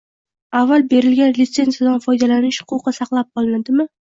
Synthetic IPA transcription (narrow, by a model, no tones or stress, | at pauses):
avːalˠbe̞ɾɪlɡʲanlɪt̪se̞nzijad̪anfɒjd̪alanɪʃhʊ̥qʰʊqɨsɑqlˠap̚qʰɒlˠɪnad̪ɪmɪ